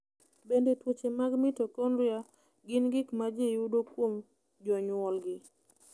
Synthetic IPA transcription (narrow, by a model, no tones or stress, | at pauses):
bendetwot͡ʃemaɡmɪtokonɾja | ɡɪnɡɪkmad͡ʒeudokwom | d͡ʒɔɲʊwɔlɡɪ